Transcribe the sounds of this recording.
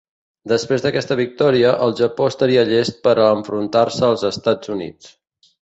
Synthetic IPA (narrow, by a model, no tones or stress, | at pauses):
d̪əspɾezðəkɛst̪əβ̞ik̚t̪ɔɾiəʔəlˠʒəpoəst̪əɾiəʎest̪̚pəɾəɱfɾunt̪aɾsəːlˠzəst̪ad͡zunḭt͡s